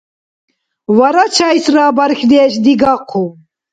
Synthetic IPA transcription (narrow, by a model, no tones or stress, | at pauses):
vaɾat͡ʃʰajsraːbaɾxd̪ɛːʃd̪iɡaqʰu